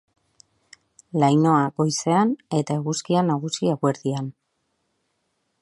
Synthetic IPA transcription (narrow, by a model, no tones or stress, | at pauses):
lajno̞aɣo̞jse̞ane̞t̪aeɣuskianaɣ̞usiaɣwe̞ɾðian